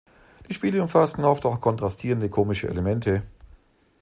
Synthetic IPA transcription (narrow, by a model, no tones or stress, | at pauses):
d̥iːʃpiːləʊmfastn̩ʔɔftaʊxkʰɔntʁ̥astʰiːʁəndəkʰoːmɪʃəʔḛlemɛntʰə